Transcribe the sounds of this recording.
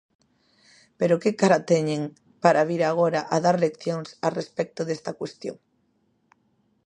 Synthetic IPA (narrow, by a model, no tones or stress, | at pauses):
peɾokekaɾat̪ɛɲẽŋ | paɾaβiɾaɣoɾaʔaðaɾlekθjoŋsarespɛk̚t̪oðest̪akwest̪jo̰ŋ